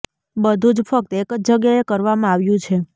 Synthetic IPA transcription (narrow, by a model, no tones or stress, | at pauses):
bəd̪ʱũd͡ʒfək̚t̪ekəd͡ʒd͡ʒəɡjaekəɾʋamãaʋjũt͡ʃʰe